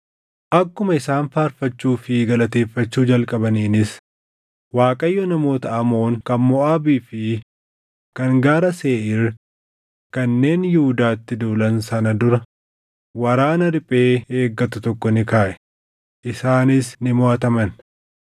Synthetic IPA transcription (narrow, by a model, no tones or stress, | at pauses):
ʔɐkːʊmɐɪsaːnfaːɾfɐt͡ʃːuːfɪɡɐlɐt̪e̞ːfːɐt͡ʃːuːd͡ʒɐlkʼɐbɐniːnɪs | waːkʼɐjːɔnɐmo̞ːt̪ɐʔɐmo̞ːŋkɐnmɔʔaːbiːfɪ | kɐŋɡaːɾɐseːʔɪɾ | kɐnːe̞ːnjɪhʊd̪aːt̪ːɪd̪uːlɐnsɐnɐd̪ʊɾɐ | wɐɾaːnɐɾɪpʼe̞ːeːɡːɐt̪ʊt̪ɔkːɔnɪkaːʔɛ̥ | ʔɪsaːnɪsnɪmʊʔɐt̪ɐmɐn